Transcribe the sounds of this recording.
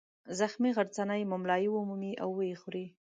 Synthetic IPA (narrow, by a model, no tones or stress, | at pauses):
zaxmiɣaɾt͡sanajmʊmlɑjiwʊmumiʔa̰wːəjexuɾi